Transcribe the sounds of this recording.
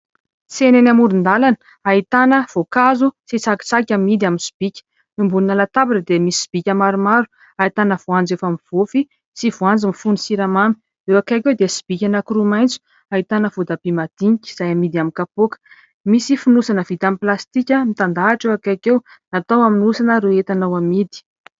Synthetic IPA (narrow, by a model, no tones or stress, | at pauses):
senenamuɾund̪alanə̥ | ait̪anəv̥okazut͡sit͡saki̥t͡sakʲamid̪iaminsi̥b̥ikʲə̥ | nimbulunalat̪abiʈ͡ʂəd̪emisi̥si̥b̥ikʲəmaɾumaɾu̥ | ait̪anəv̥uand͡zefamiv̥ofi | sivuand͡zimifunisiɾamami̥ | ewakakewd̪esi̥b̥ikʲanakuɾumajnt͡su̥ | ait̪anəvud̪abimad̪̥iŋikʲi̥z̥ajamid̪iamikapokə̥ | misifunusanəvid̪amiplast̪ikʲəmit̪and̪aaʈ͡ʂewakakew | nat̪awaminusanəɾeet̪anawamid̪i̥